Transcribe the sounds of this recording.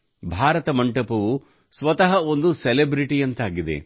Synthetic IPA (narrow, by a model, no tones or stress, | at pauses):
bʱaːɾɐt̪ɐmɐɳʈɐpɐʋu | sʋɐt̪ɐɦɐond̪uselebɾiʈijɐnt̪aːɡid̪e̞̰